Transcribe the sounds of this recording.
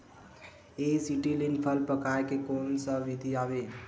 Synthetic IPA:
esiʈilinpʰəlpəkaekekonsəʋid̪ʱiabe

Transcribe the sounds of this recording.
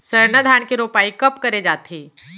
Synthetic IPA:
sɐɾnəd̪ʱaːɳkiɾoːpaːikɐpkɐɾed͡ʒaːt̪ʰeː

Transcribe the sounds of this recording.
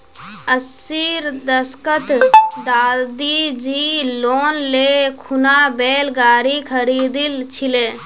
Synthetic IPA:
əsiːɾd̪əskət̪d̪aːld̪id͡ʒiːloːnlekʰunabeːlɡaːɾikʰəɾiːd̪ilt͡ʃʰileː

